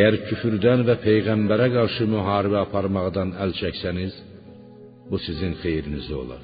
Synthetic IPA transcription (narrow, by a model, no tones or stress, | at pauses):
æjæɾcʰyfyɾd̪ænvæpʰe̞jɣæmbæɾæɡɑɾʃɯmyɦɑːɾibæɑpʰɑɾmɑʁd̪ɑnælt͡ʃʰæcsæniz | busizinxe̞jɾinizio̞̰lˠɑ̰ɾ